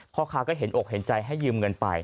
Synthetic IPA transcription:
pʰɔ˦˥kʰaː˧kɔː˥˩ɦe˨˩˦nʔoː˨˩k̚he˩˦nt͡ɕa˧jɦa˥˩jːɯː˧mŋɤ˧npa̰˧j

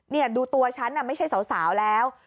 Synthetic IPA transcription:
ni˥˩ɐduː˧t̪u˧ɐt͡ɕʰa˦˥nʔa˥˩ma˥˩t͡ɕʰa˥˩jsa˩˦wsaː˩˦wlɛː˦˥w

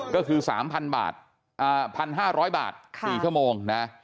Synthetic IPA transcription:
kɔː˥˩kʰɯː˧sa̰ː˩˦mpʰa˧nba̰ː˨˩t̪̚ | ʔaː˨˩pʰa˧nɦaː˥˩ɾɔː˦˥jba̰ː˨˩t̪̚ʰiː˨˩t͡ɕʰu˥˩moː˧ŋna˦˥

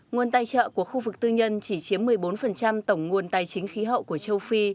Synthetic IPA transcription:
ŋu˨˩ənt̪aː˧˩jt͡ɕə̰ː˧˨ku˧˩əxu˧vɨ˨˩k̚t̪ɨ˧ɲə˧nt͡ɕi˧˩t͡ɕi˨˦əmːɨ˨˩əjɓo˨˦nfə˨˩nt͡ɕa˧mt̪ə˧˩wŋ͡mŋu˨˩ənt̪aː˨˩jt͡ɕï˨˦ŋ̟xi˨˦ɦə̰˧˨wku˧˩ət͡ɕə˧wfi˧

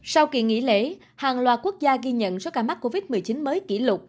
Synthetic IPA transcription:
sa˧wkḭ˧˩əŋḭ˧˥lḛ˧˥ | haː˨˩ŋlwaː˨˩ku˦˥ək̚zaː˧ɣi˧ɲə̰˧˨nzɔ˧˦kaː˧˩ma˦˥k̚kːo˧vi˦˥t̚mɨ˨˩əjt͡ɕi˨˦nməː˨˦jkḭ˧˩lʊ˨˩k͡p̚

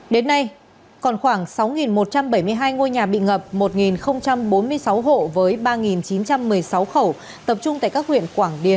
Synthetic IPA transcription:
ɗe˨˦nːa˧j | kɔ˨˩nxwaː˧˩ŋsa˨˦wŋi˨˩nmo˨˩t̚t͡ɕa˧mɓə˧˩jmɨ˧əjɦaː˧jŋo˧jɲaː˨˩ɓḭ˧˨ŋə˨˩p̚mo˨˩t̚ŋi˨˩nxə˧wŋ͡mt͡ɕa˧mɓo˨˦nmɨ˧əjsa˨˦wɦo̰˧˨vəː˨˦jɓaː˧ŋi˨˩nt͡ɕi˨˦nt͡ɕa˧mːɨ˨˩əjsa˨˦wxə˧˩w | t̪ə˨˩p̚t͡ɕʊ˧ŋ͡mt̪a̰ː˧˨jkaː˦˥k̚hwḭ˧˨ənkwaː˧˩ŋɗi˨˩ən

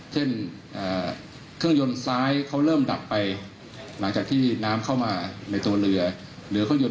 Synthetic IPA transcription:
t͡ɕʰe˥˩n | ʔaː˨˩ | kʰɯ˥˩əŋjo˧nsaː˦˥jkʰa˦˥wɾɤː˥˩mda˨˩pːa˧j | la˩˦ŋt͡ɕaː˨˩k̚t̪ʰiː˥˩naː˦˥mkʰa˥˩wmaː˧na˧jt̪u˧ɐɾɯ˧ɐ | ɾɯː˩˦kʰɯ˥˩ŋjo˧

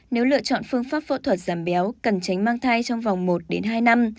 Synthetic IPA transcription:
ne˨˦wlɨ̰˧˨ət͡ɕɔ̰˧˨nfɨ˧əŋfaː˦˥p̚fo̰˧˥t̪ʰwə˨˩t̚z̥aː˧˩mɓɛ˨˦wkə˨˩nt͡ɕa˨˦jŋ̟maː˧ŋt̪ʰa˧jt͡ɕɔ˧wŋ͡mva˨˩wŋ͡mmo˨˩t̚ɗe˨˦nɦaː˧jna˧m

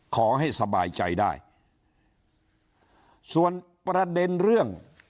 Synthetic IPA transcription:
kʰɔː˩˦ɦa˥˩jsa˧baː˧jt͡ɕa̰˧jdaː˥˩j | su˨˩ən | pɾa˧de˧nɾɯ˥˩əŋ

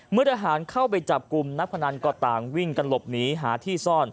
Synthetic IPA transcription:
mɯ˥˩ət̪ʰa˧ɦaː˩˦nkʰa˥˩wpa˧jt͡ɕa˨˩p̚ku˧mna˦˥p̚kʰa˧naː˧nkɔː˧˩t̪aː˨˩ŋwi˥˩ŋka˧nlo˨˩p̚niː˦˥ɦaː˩˦t̪ʰiː˥˩sɔː˥˩n

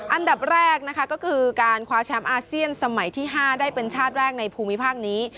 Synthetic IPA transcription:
ʔa˧nda˨˩p̚ɾɛː˥˩k̚na˦˥kʰa˦˥kɔː˥˩kʰɯː˧kaː˧nkʰwaː˧t͡ɕʰɛ˦˥mʔaː˧si˥˩ənsa˧ma˨˩˦jt̪ʰiː˥˩ɦaː˥˩daː˥˩jpe˧nt͡ɕʰaː˥˩t̪̚ɾɛː˥˩k̚na˧jpʰuː˧mːi˦˥pʰaː˥˩k̚niː˦˥

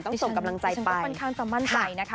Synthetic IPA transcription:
nt̪ɔ˥so˨˩ŋka˧mla˧ŋt͡ɕa˧jpa˧a˧nkʰaː˧˥ŋsa˧˩ma˥˩nt̪ʰa˧˩jna˦˥kʰ

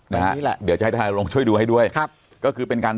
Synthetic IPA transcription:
naa˦˧˦ldɯ˩˦t͡ɕa˨ht̪ʰa˧naː˧ɾoː˧ŋt͡ɕʰu˥˩əjdu˧ha˥˩jdu˥˩əjkʰa˦˥˩ | kɔː˥˩kʰɯː˧pe˧nkaː˧n

